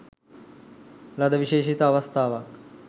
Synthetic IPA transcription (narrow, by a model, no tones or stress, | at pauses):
lɐd̪əʋiʃeːʃit̪ɐʋɐst̪ʰaːʋɐk